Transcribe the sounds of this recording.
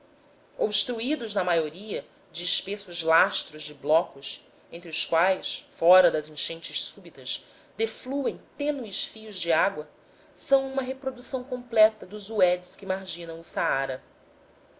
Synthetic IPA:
obʃt̪ɾuid̪ʊznɐmajoɾiɐ | d͡ʒɪːʃpesʊzlaʃt̪ɾʊzd͡ʒɪblɔkʊs | ẽnt̪ɾɪʊskwajsfɔɾɐd̪ɐzĩʃẽnt͡ʃɪʃsubit̪ɐʃ | d̪efluẽj̃t̪ẽnuɪʃfijʊzd͡ʒɪaɡwɐ | sɐ̃w̃ũmɐɦepɾod̪usɐ̃w̃kõmplɛt̪ɐd̪ʊzuɛd͡ʒɪskɪmaɾʒĩnɐ̃w̃ʊsaaɾɐ

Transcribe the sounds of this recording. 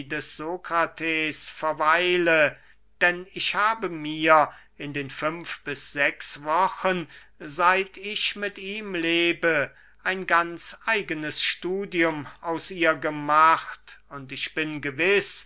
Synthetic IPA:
dɛsz̥oːkʁ̥atʰeːsfɛɐvaɪlə | d̥ɛnɪçhaːbəmiːɐ | ɪndeːnfʏmfb̥ɪsz̥ɛksvɔxən | zaɪtʰɪçmɪtiːmleːbə | ʔaɪnɡant͡sʔaɪɡənəsʃtuːdiʊmaʊsʔiːɐɡəmaχtʊntɪçb̥ɪnɡəvɪs

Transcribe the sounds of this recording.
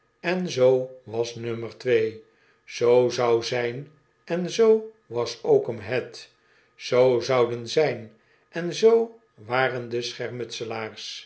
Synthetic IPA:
ɛnzoʋɑsnøməɹtʋej | z̥owzɑwzɛjn | ɛnzo | ʋɑsowkəmɦɛt | z̥owzɑwdənzɛjn | ʔɛnzow | ʋaːrəndəsχɛɹmɵtsəlaːrs

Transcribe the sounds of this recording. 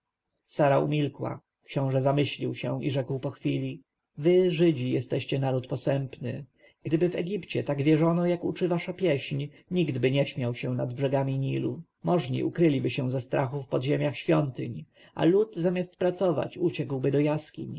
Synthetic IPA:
saɾaṵmʲilkwa̰ | kɕɔ̃w̃ʐɛzamɘɕlʲiwɕɛ̃ḭʐɛkwpɔxfʲilʲi | vɘʐɘd͡ʑijɛst̪ɛɕt͡ɕɛnaɾut̪pɔsɛmpnɘ | ɡ̥d̪ɘbɘvɛɡʲipt͡ɕɛt̪aɡvʲjɛʐɔnɔjakut͡ʂɘvaʂapʲjɛɕɲ | ɲiɡd̪bɘɲɛɕmʲjawɕɛ̃nad̪bʐɛɡamʲiɲilu | mɔʐɲḭʔukɾɘlʲibɘɕɛ̃zɛst̪ɾʔaxufpɔd̪ʑemʲjaxɕfʲjɔnt̪ɘ̰ɲ | a̰lud̪zamʲjast̪pɾat̪sɔva̰t͡ɕut͡ɕɛkwbɘd̪ɔjaskʲḭɲ

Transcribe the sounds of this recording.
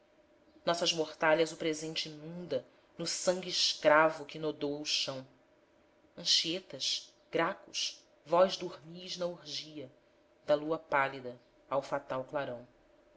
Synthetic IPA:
nɔsɐzmoχt̪aʎɐzʊpɾezẽnt͡ʃɪinũnd̪ɐ | nʊsɐ̃ŋɡʲiːʃkɾavʊkɪnod̪owuʃɐ̃w̃ | ɐ̃ʃiet̪ɐʃ | ɡ̥ɾakʊʃ | vɔjʒd̪uhmiznɐuɾʒiɐ | d̪ɐluɐpalid̪ɐ | awfat̪awklaɾɐ̃w̃

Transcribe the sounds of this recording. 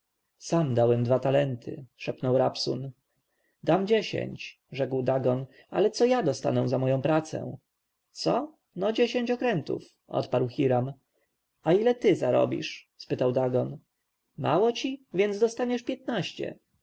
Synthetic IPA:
samd̪awɛmd̪vat̪alɛnt̪ʰɘ̰ʂɛpnɔwɾapsṵn | d̪amd͡ʑeɕḛɲt͡ɕ | ʐɛkwd̪aɡɔn | a̰lɛt̪sɔjad̪ɔst̪a̰nɛw̃zamɔjɔ̃w̃pɾat̪sɛ̰̃w̃ | t̪sɔ | nɔd͡ʑeɕeɲt͡ɕɔkɾɛnt̪ṵf | ʔɔ̰t̪paɾwxʲiɾam | ailɛt̪ɘzaɾɔ̰bʲḭʂspɘt̪awd̪aɡɔn | ma̰wɔt͡ɕivʲjɛnd̪zd̪ɔst̪aɲɛʂpʲjɛt̪naɕt͡ɕɛ̰

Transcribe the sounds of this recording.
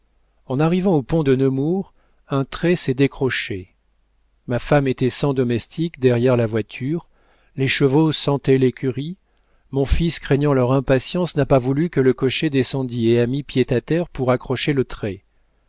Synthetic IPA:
ɑ̃naʁivɑ̃opɔ̃d̪ənəmuʁ | ɛ̃t̪χɛsɛd̪ekχɔʃe | mafamet̪ɛsɑ̃d̪ɔmɛst̪ʰikd̪ɛʁjɛʁlavwat̪ʰyʁ | leʃəvosɑ̃t̪ɛlekʲyʁi | mɔ̃fiskχɛɲɑ̃lœʁɛ̃pasjɑ̃snapavulykələkɔʃed̪esɑ̃d̪ieamipjet̪at̪ɛʁpuʁakχɔʃelət̪χɛ

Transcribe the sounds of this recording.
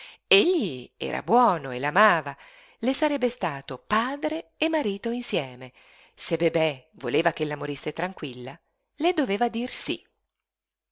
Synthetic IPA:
eʎːiɛ̰ːɾa̰bwɔːnoelːamaːva | lesaɾɛbːest̪aːt̪opaːd̪ɾeːmːaɾiːt̪oinsjɛːme | sebebɛvoleːvak̟elːamoɾisːet̪ɾaŋkwilːa | led̪oveːvad̪irsḭ

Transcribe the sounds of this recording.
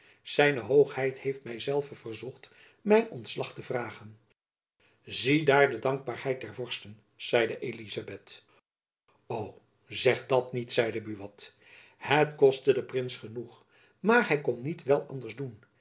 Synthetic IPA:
z̥ɛjnəɦowχhɛjthejftmɛjzɛlˠvəv̥əɹzɔχt | mɛjnɔntslɑχtəvraːχən | zidaːɹdədɑŋɡ̚baːɹɦɛjt̚dɛɹvɔɹstən | z̥ɛjdəʔelizabɛt | ow | zɛχdɑtnitsɛjdəbyʋɑt | hətkɔstədəprɪnsχənuχ | maːɹɦɛjkɔnːitʋɛlˠɑndəɹzdun

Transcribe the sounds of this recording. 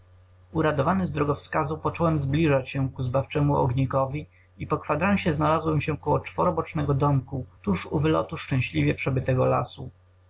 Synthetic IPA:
uɾad̪ɔvanɘzd̪ɾɔɡɔfskazupɔt͡ʂɔwɛmzblʲiʐat͡ɕɕɛkuzbaft͡ʂɛmuʔɔ̰ɡɲikɔvʲi | ipɔkfad̪ɾawɕɛznalazwɛmɕɛkɔwɔt͡ʂfɔɾɔbɔt͡ʂnɛɡɔd̪ɔmkut̪uʂuvɘlɔ̰t̪uʂt͡ʂɛ̃ɕlʲivʲjɛpʂɛbɘt̪ɛɡɔla̰su

